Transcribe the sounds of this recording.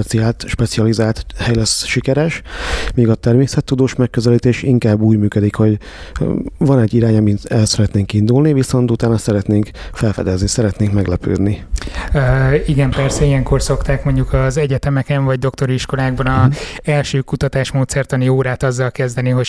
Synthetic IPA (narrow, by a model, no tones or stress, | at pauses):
ɛt̪siaːlt̪ʃpɛt̪siɒlizaːlt̪hɛjlɛsʃikɛɾɛʃmiːɡɒt̪ɛrmeːsɛt̪ːud̪oːʃmɛkːøzɛliːt̪eːʃiŋkaːbːuːɟmyːkød̪ikho̞ɟ | vɒnɛɟːiɾaːɲɒmiɛlsɛɾɛt̪neːŋkind̪ulniviso̞nt̪ut̪aːnɒsɛɾɛt̪neːŋk | fɛlfɛ̰d̪ɛznisɛɾɛt̪neːŋkmɛɡlɛpø̰ːd̪niøiɡɛmpɛrsɛijɛŋko̞rso̞kt̪aːkmo̞ɲɟukɒzɛɟɛt̪ɛmɛkɛɱvɒɟd̪o̞k̚t̪o̞ɾiʃko̞laːɡ̚bɒnɒɛlʃøːkut̪ɒt̪aːʃmoːt̪sɛrt̪ɒnioːɾaːt̪ɒzːɒlkɛzd̪ɛniɦo̞